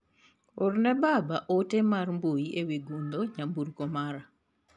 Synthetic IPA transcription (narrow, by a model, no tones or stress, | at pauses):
ornɛbabaʔotemarmbojiewiɡund̪oɲambuɾkomaɾa